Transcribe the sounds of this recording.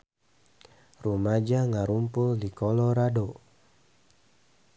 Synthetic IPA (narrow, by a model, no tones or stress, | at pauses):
rumad͡ʒaŋaɾumpʊldikɔlɔɾado